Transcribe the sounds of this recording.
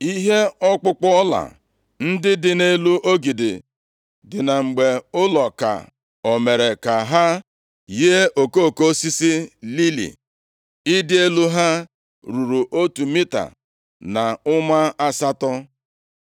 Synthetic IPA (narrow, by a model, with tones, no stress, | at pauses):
i˦ɦe˦ɔ˦k͡pʊ˦k͡pɔ˦ɔ˦la̰˨ | n̩˦dɪ˦dɪ˦ne˦lu˦ʔo˦ɡi˨dɪ̰˨ | dɪ˨na˨ŋ͡m̩˨ɡ͡be˨ʊ˦lɔ˨ka̰˨ | o˨me˨ɾe˨ka˨ɦa˦ | je˦o˨ko˦˨ko˦si˦si˦li˦lḭ˨ | ɪ˦dɪ˦e˦lu˦ɦa˦ | ɾu˨ɾu˨ʔo˦tu˨mi˦ta̰˨ | na˨ʊ˦ma˦a˦sa˦tɔ˦